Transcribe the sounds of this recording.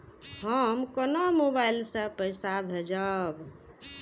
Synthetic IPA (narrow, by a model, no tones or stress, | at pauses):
ɦəmkənomobailsə̃pəjsabʱed͡ʒəb